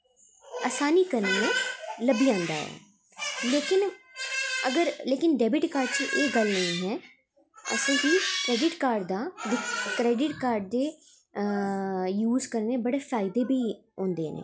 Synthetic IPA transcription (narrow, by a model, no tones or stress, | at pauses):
aːsaːniːkəɾneːeːləbiːãːnd̪a̰ːɦɛ̰ː | leːkɪn | əɡəɾleːkɪnɖɛːbɪʈkaːɾɖt͡ʃiʔeːɡəlnəĩːɦɛː | ə̰sẽːkiːkɾɛːɖɪʈkaːɾɖd̪aːʋɪkɾɛːɖɪʈkaːɾɖd̪eː | juːzkəɾneːbəɽeːfʰaːɪd̪eːbiːõːnd̪ḛːnḛː